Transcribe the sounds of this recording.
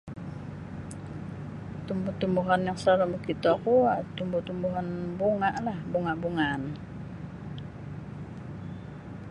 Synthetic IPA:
t̪umbut̪umbuɦanjaŋsaɾamuhkit̪oakuat̪umbuht̪umbuɦanbuŋaʔlahbuŋaʔbuŋan

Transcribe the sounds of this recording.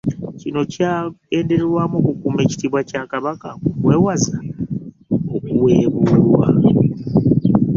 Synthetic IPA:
cino̞cae̞ːnde̞ɾeɾwaːmokukume̞ːci̥tiβwacakaβakakukwe̞ːwaza | okuwe̞ːβuːlwa̰

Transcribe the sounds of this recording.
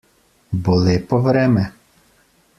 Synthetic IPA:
bɔlˠɪpɔʋɾɛmɛ

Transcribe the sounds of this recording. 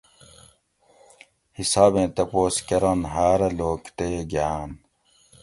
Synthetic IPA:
hisaːbẽːt̪ɐpoːskɐɾɐnɦaːɾɐloːkt̪eːɡjaːn

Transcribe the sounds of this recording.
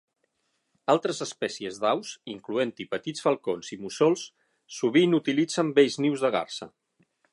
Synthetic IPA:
alˠt̪ɾəzəspɛsiəzðawsiŋkluent̪ipət̪it͡sfəlˠkonzimusɔlˠsː | uβ̞inut̪ilid͡zəmbeʎzniwzðəɣa̰rsə

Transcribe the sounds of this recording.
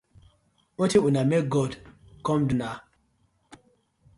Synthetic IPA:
wɔtiunameɡɔdkɔ̃mduna

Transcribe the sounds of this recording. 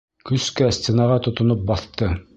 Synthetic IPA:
kɵskæsʲt̪ʲenɑʁɑt̪ŏt̪ŏnop̚bɑθt̪ɤ

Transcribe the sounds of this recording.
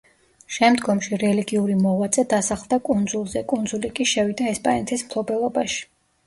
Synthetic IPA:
ʃɛmd̪ɡɔmʃiɾɛliɡiuɾimɔvat̪sʼɛd̪asaχlˠd̪akʼund̪zulˠzɛkʼund̪zulikʼiʃɛvid̪aɛspʼanɛt̪ʰismt̪ʰlɔbɛlˠɔbaʃi̥

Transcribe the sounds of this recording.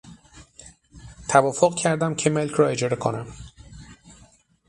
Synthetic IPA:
t̪ʰævɒːfoɣcʰæɾd̪æmcʰeme̞lcʰɾɒːe̞d͡ʒɒːɾe̞kʰonæm

